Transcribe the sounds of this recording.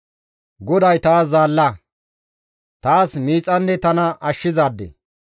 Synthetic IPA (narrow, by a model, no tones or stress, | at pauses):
ɡɔd̪ɐjt̪aːszaːlːɐ | t̪aːsmiːt͡sʼɐnːɛt̪ɐnɐɐʃːɪzaːd̪ːɛ̰